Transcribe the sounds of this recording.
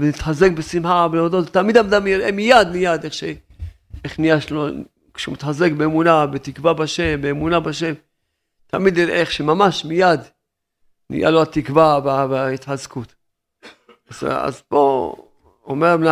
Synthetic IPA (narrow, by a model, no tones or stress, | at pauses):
venit̪ħazek̚besimħabeod̪ott̪ːamid̪amd̪amjeʁʔemijad̪mijad̪eχʃe | eχnijaʃlo | kʃumit̪ħazekbeːmunabet̪ikvabaʃe̞mbeːmunabaʃe̞m | t̪amid̪jiʁʔeeχʃemamaʃmijad̪ | nḭja̰loat̪ikvaveaveait̪ħazkut̪ | az̰a̰zbo | omeʁmna